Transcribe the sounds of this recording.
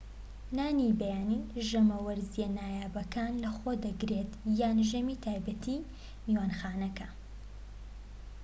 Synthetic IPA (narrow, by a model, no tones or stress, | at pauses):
naːnibɐjaːniʒɐmɐwɐɾzijɐnaːjaːbɐkaːnlɐxod̪ɐɡɾet̪jaːnʒɐmit̪ʰaːjbɐt̪ʰi | miwaːnxaːnɐkɐ